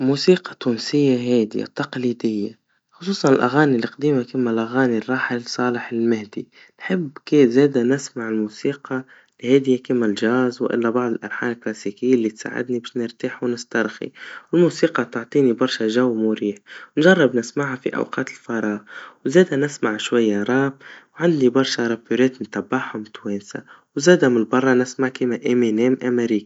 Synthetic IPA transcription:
muːsiːqɑ̥t̪uːnsɪjːaɦaːd̪ḭt̪ːɑqliːd̪ɪjːa̰ | xʊsˤuːsˤɑnɪlʔaɣaːnilːiqd̪iːmakɪmːalʔaɣaːnirˤːɑːħɪlsˤɑːlɪħɪlmɪhd̪i | nħɪbːkezeːd̪anɪsmaʕɪlmuːsiːqɑ | lheːd̪ɪjakɪmːalʒaːzwʔɪ̰lːabɑʕd̪ˤɨlʔɑ̰ɾˤħa̰ːlɪlklasiːkɪjːlːit̪sa̰ːʕɪ̰d̪nibɪʃnɪɾt̪iːħwnɪst̪ɑɾˤxḭwɪlmuːsiːqɑt̪ʊʕt̪ˤiːnibɑɾˤʃaʒawːmuɾiːħwnʒɑrˤːɑbnɪsmaʕhafḭʔa̰wqɑːt̪ɪ̥lfɑɾˤɑːɣwzeːd̪anɪsmaʕʃwajːaɾˤɑːbwʕand̪nibɑɾˤʃaɾˤɑpːyɾeːt̪nt̪abːaħamʊt̪weːnsa̰ | wzeːd̪amɪlbɑrˤːɑnɪsmaʕkimaʔemeneːmʔameɾiːk

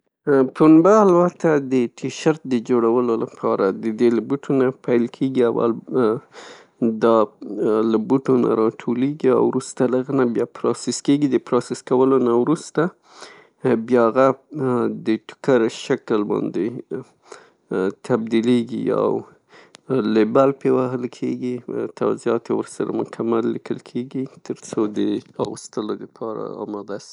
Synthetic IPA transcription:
punbaːlbat̪ad̪əʈʰiʃaɾt̪̚d̪əd͡ʒoɽawəlolapʰɑɾad̪əd̪elabuʈʰonapʰajlkʰeɡiawa̰l | d̪ɑ | labuʈona̰ɾɑʈʰoleɡia̰wɾust̪alaɣənabjɑpɾɑsɪskeɡid̪əpɾosɪskawəlonawɾust̪a | bjɑaɣa | d̪əʈʊ̥kaɾʃakəlbɑ̰nd̪e | t̪ʰab̚d̪ileɡḭa̰w | lebalpewaɦəlkʰeɡit̪ʰa̰wzijɑt̪ewəɾsaɾa̰mʊkʰamalːikʰəlkʰeɡit̪ʰəɾt͡sod̪əɑɣust̪əlod̪əpʰɑɾa̰ɑ̰mɑd̪asi̥

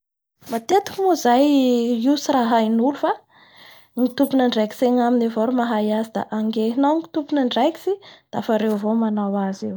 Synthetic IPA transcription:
mat̪et̪i̥kmuzajisiɾaɦajnulufa | ŋit̪upunəɳɖ͡ʐajki̥seɲaminevoɾumaɦajazid̪a̰ʔaŋɡeɦnaŋi̥t̪upunəɳɖ͡ʐajki̥sid̪̥aafaɾewvomanawazew

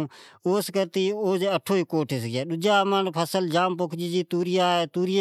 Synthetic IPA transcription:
oːskəɾt̪iːoːd͡ʒeəʈʰoːikoːʈʰɪsɡaːɗʊd͡ʒaːmənpʰəsəld͡ʒaːmpokʰd͡ʒiːd͡ʒiːt̪uːɾɪjaːeːt̪uːɾɪj

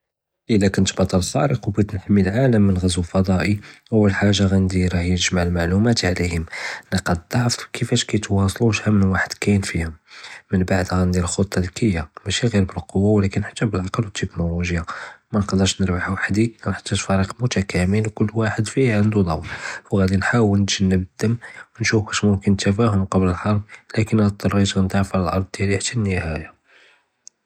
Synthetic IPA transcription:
ʔəlːækənt̪bɑt̪ˤːɑləfɑ̰ɾəqwbæt̪nħmːilʕaləmːənɣæzwəlfɑd̪ˤɑʔiʔəwːəlħaʒːaɣænd̪iɾɑħjəʒmaʕəlmaʕlumæt̪ʕlihəmnəqɑd̪d̪ˤɑʕfkʰəfæʃkæjt̪wɑsˤluʃhæmənwaħəd̪̥kæjnfihəmmənbaʕd̪ɣænd̪iəlxot̪ˤːɑlkʰəjːamæʃiɣiɾbəlqowːawlækənːħt̪ːæbəlʕɑqɑlwət̪ːəknoluʒjamænqd̪əɾʃnəɾwaħuwaħd̪ikænħɑ̥t̪ˤːət̪fɑɾiqmʊt̪ækʰæməlkʊlːwaħəd̪fiʕənd̪ud̪ˤɑwlwɣæd̪inħawəlnd̪ʒənːəbəd̪ːəmwnʃufbæʃmʊmkənt̪æfæhʊmqɑbləlħɑɾˤflækənæt̪ːɑɾˤːiʒənt̪aʕfæləlʔɑ̰ɾˤd̪ˤd̪jæliħt̪ænːəhæja

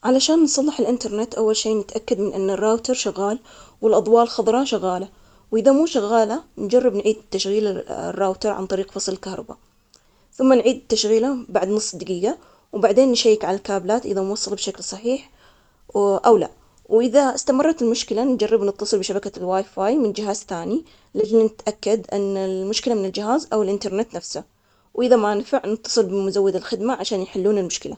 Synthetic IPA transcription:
ʕalaʃaːnːsˤɑlːɪħɪlʔɪnt̪ɑɾˤnɪt̪ʔawːalʃiːnɪt̪ʔakːad̪mɪnʔɪnːarːaːwt̪ɑɾˤʃʊɣːaːl | wɪlʔɑd̪ˤwɑːlxɑðˤɾˤɑʃaɣːaːla | wʔɪðamuːʃaɣːaːland͡ʒarˤːɪbnʕiːd̪t̪ːaʃɣiːla̰rːaːwt̪ɑɾˤʕa̰nt̪ˤɑɾiːqfɑsˤlɪlkahɾˤɑ̰ba̰ | θʊmːanʕiːd̪t̪ːaʃɣiːlabaʕd̪nʊsˤːd̪aɡiːɡa | wbaʕd̪eːnːʃajːɪkʕalalkaːblaːt̪ʔɪðanwɑsˤːɑlbʃaklsˤɑħiːħ | ʔawla̰ | wʔɪðaɪst̪amɑrˤːɑt̪ɪlmʊʃkɪland͡ʒarːɪbnɪt̪ːɑsˤɨlbɪʃabakalwaːjfaːjmɪnd͡ʒɪɦaːzθaːni | lɪd͡ʒnnɪt̪ʔakːad̪ʔɪnːalmʊʃkɪlamɪnɪld͡ʒɪɦaːzʔawɪlʔɪnt̪ɑɾˤnɪt̪nafsa | wʔɪðamanfaʕnɪt̪ːɑ̥sˤɨlbɪmʊzawːɪd̪ɪlxɪd̪maʕaʃaːnjħɪlːuːnɪlmʊʃkɪla̰

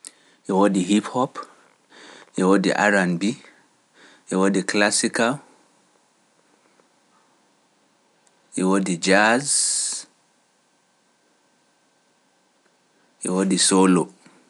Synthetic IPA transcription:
ʔɛwodihiphɔp | ʔɛwodḭʔa̰ɾanbi | ʔɛwodiklasika | ʔɛwodid͡ʒaz | ʔɛwodisolo

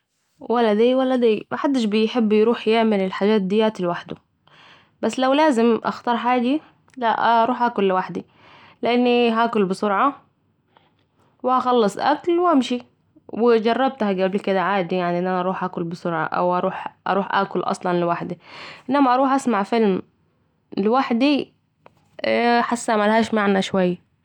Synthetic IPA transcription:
walːad̪iːwalːad̪iːmaħad̪ːɪʃbɪjħɪbːjɾuːħjɪʕmɪlɪlħaːd͡ʒaːt̪̚d̪ɪjːaːt̪lwaħd̪ʊ | basːlawlaːzɪmʔɑ̰xt̪ɑɾˤħaːd̪i | laʔɑɾˤuːħʔaːkʊlːɪwaħd̪i | lɪʔanːiɦaːkʊlbɪsʊɾʕɑ | wɪhaxɑlːɑsˤʔa̰klwhamʃi | wɪd͡ʒɑrˤːɑb̚t̪haɡablkɪd̪aʕaːd̪ijaʕniʔɪnːʔænæʔɑɾˤuːħʔæːkʊlbɪsʊɾˤʕɑ̰ʔa̰wʔɑɾˤuːħʔɑ̰ɾˤuːħʔæ̰ːkʊlʔɑ̰sˤlɑnlɪwaħd̪iʔɪnːæmaʔɑɾˤuːħʔasmaʕfɪlm | lɪwaħd̪i | ħasːaʕmalhaːʃmaʕnaʃwajːa

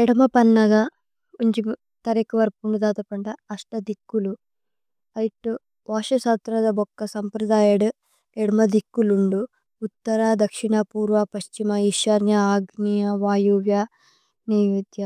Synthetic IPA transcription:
ɛɽɐmɐpɐnːɐɡɐ | uɲt͡ʃi | t̪ɐɾekɐʋɐɾpuɳɖud̪aːt̪ɐpɐɳɖɐːʂʈɐd̪ikːulu | ɐjiʈːu | ʋaːʃɐsaːt̪ɾɐd̪ɐbɔkːɐsɐmpɾɐd̪aːjɐɽu | ɛɽɐmɐd̪ikːuluɳɖuː | t̪ːɐɾaːd̪ɐkʂiɳɐpuːɾʋɐpɐʃt͡ʃimɐiʃɐɾnjɐaːɡnijɐʋaːjuʋjɐ | niːjud̪jɐ

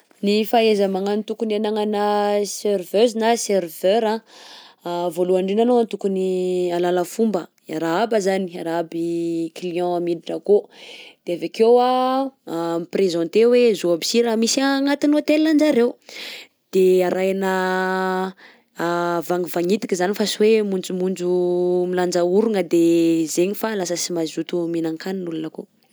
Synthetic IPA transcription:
nifaezəmaŋanit̪ukunanaŋanaservøzinaservøɾã | voluaɳɖ͡ʐenanoant̪ukunialaləfumbə | aɾaabazaniaɾaabikiliɔ̃amid̪iʈ͡ʂəkod̪̥eavekewa | miprezɔ̃nt̪ewezoabi̥siɾamisaŋat̪inot̪elinand͡ʒaɾew | d̪̥eaɾʔajanə | vaŋivaŋit̪i̥kʲizanifasuwemund͡zumund͡ʒumiland͡ʒauɾuŋəd̪ezeɲifalasəsimazut̪uminãŋkaninulunako

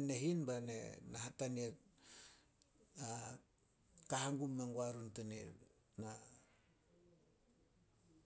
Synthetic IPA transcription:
neɦinbanḛnaɦataniet̚ | a | kaɦaŋɡumːeŋɡuaɾuntaniɾ | na

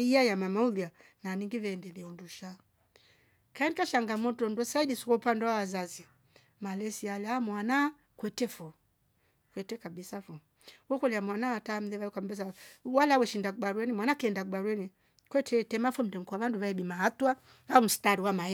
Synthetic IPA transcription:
iajamamaulia | naniŋɡivɛndɛliɔnduʃa | kaɛndikaʃaŋɡamɔtɔndɔsaidisu̥kɔupandɛwawazazi | malɛsialɛamwana | kwɛtɛfɔ | kwɛtɛkabisafɔ | wɔkɔliamwanawatam̩lɛvaɛkwam̩bɛs̬awalawɛʃindakuɓaɾwɛnimwanakɛndakuɓaɾwɛni | kwɛtʰɛtɛmafɔm̩dɛŋ̩kuavanduvaɛɓimahatwa | aum̩staɾiwamaɛ

